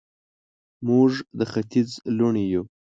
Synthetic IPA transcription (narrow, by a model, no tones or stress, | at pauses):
muʐd̪əxat̪id͡zluɳiju